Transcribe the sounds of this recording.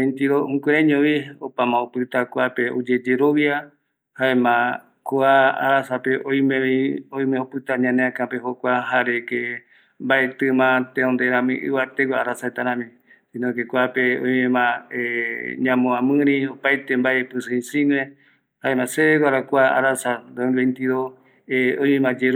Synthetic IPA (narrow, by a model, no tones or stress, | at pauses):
ent̪iɾoũkeɾẽɲõβiopamãopɨt̪akʷapeod͡ʒed͡ʒeɾoβja | haẽmã | koaa̰ɾasapeʔõj̃meioj̃mẽopɨt̪aɲãneãkãpehokʷaɦaɾeke | mbaʔet̪ɨmãt̪ẽond̪eɾãmḭ̃ʔɨ̰βat̪eɡʷaaɾasaet̪aɾãmĩ | sĩnõkekʷapeõj̃mẽmãeɲãmõãmɨ̃ɾĩopajt̪embaepɨsɨĩsĩŋẽ | haemãseeɡʷwaɾakʷaa̰ɾasad̪onβent̪iðo | eõj̃mẽmãd͡ʒeɾ